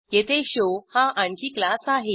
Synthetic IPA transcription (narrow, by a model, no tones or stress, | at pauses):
ket̪ʰeɕohãʔãɳkʰiːklasaɦe